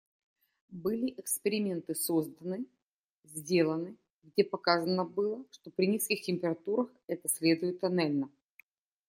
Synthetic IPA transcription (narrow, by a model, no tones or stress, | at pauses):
bɨlʲɪʔɪkspʲɪɾʲɪmʲe̞nt̪ɨso̞zd̪ənɨ | zʲdʲe̞lˠənɨ | ɡdʲepɐkazənəbɨlˠəʂt̪o̞pɾʲɪnʲiskʲɪxtʲɪmʲpʲɪɾɐt̪uɾəxɛt̪əsʲlʲe̞d̪ʊjɪt̪ɐnalʲnə